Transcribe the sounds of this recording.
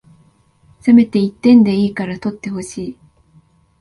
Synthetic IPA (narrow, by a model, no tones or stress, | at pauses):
seme̞t̪e̞it̪ːẽ̞nd̪e̞iːkaɾat̪o̞t̪ːe̞ɦo̞ɕiː